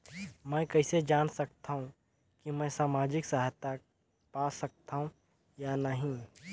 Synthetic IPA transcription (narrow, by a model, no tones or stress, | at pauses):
mɛ̃ːkɐɪsed͡ʒaːnsɐk̚t̪aɦũ | kimɛ̃ːsaːmaːd͡ʒɪksaːɦt̪a | paːsɐk̚t̪aɦũ | janɐɦĩ